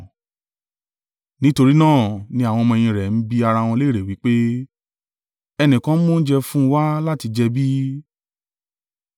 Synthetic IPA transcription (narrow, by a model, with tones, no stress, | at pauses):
nĩ˦to˧ɾi˦nãː˦˨nĩ˧a˨w̃ɔ̃˧mɔ̃˧˨j̃ĩ˧ɾɛ˨n̩˦bi˦a˧ɾa˧w̃ɔ̃˧le˦˨ɾe˨wi˨˦k͡pe˦ | ɛ˧nĩ˨kã˨˦mo˦n̩˦d͡ʒɛ˧fũ˦wa˦la˦ti˧d͡ʒɛ˧bi˦